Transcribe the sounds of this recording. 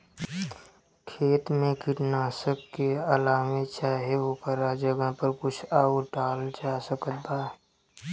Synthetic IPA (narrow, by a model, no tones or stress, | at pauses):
kʰeːt̪mẽkɪʈnaːsəkːealaːmet͡ʃaːɦeokəɾad͡ʒəɡəpəɾkʊt͡ʃʰaːuʈaːld͡ʒaːsəkət̪̚baː